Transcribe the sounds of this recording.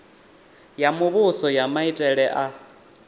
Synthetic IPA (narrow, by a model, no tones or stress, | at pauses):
jamʊβʊsɔjamaitʼɛɺɛʔa